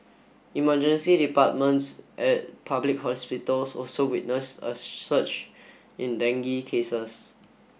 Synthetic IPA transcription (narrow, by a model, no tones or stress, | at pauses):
imad͡ʒə̃nsidipat̚mə̃ntsʔɛt̚pʰablik̚hɔspitəlsɔlsowit̚nəsə̰sət͡ʃ | ĩndɛ̃ŋɡikʰesəs